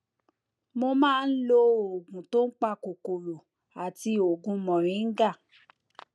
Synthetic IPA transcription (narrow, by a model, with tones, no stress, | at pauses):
mo˧mãː˦˧n̩˦lo˧˦o˨ɡũ˨to˦n̩˦k͡pa˦˧ko˨ko˨ɾo˨ | a˨ti˧o˨ɡũ˨˧mɔ̃˨ɾ̃ĩ˨˦n̩˦ɡa˦˨